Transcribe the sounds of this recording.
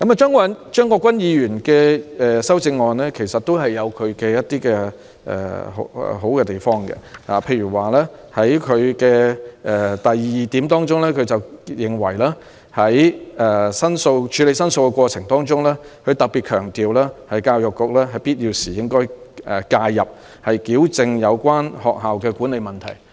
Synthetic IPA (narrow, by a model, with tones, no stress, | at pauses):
kɐ˨˥ma˨t͡ʃœː˥ŋkɐ˥nt͡ʃœː˥ŋkʷɔː˧kwɐ˥njiː˨˧ɥyː˨˩nkɛ˧ɛ˨sɐ˥wt͡sɪ˧ŋːɔː˨nlɛː˥kʰe˨˩jsɐ˨t̚t̪o˥wɦɐ˨jːɐ˨˧wkʰɵ˨˧ɥkɛ˧jɐ˥t̚t̪iː˥kɛ˧ | ʔɛ̰˨ho˨˥ɛ̰˨ɦo˨˥wkɛ˧t̪e˨˩jfɔː˥ŋkɛ̰˧ha˨pʰe˧jɥyː˨˩waː˨lɛː˥hɐ˨˥jkʰɵ˨˧ɥkɛː˧ʔɛ˨t̪ɐ˨ji˨iː˨˩t̪iː˨˥mt̪ɔː˥ŋt͡ʃʊ˥ŋlɛː˥kʰɵ˨˧ɥt͡sɐ˨wjɪ˨ŋwɐ˨˩jlaː˥ | hɐ˨˥jɛː˨˩sɐ˥nso˧wt͡ʃʰy˨˧le˨˧jsɐ˥nso˧wkɛ˧kʷɔː˧t͡sʰɪ˨˩ŋt̪ɔː˥ŋt͡sʊ˥ŋlɛː˥kʰɵ˨˧t̪ɐ˨k̚pi˨t̚kʰœː˨˩ŋt̪iː˨wlaː˥hɐ˨jkaː˧wjʊ˨kːʊ˨k̚lɛː˥ɦɐ˨jpiː˥t̚jiː˧wsiː˨˩jɪ˥ŋkɔː˥jɛ˨˩kaː˧jjɐ˨p̚ | hɐ˨jkiː˨˥wt͡sɪ˧ŋjɐ˨˧wkʷaː˥nhɔː˨k̚ɦaː˨wkɛː˧ku˨˥ne˨˧jmɐ˨nt̪ʰɐ̰˨˩j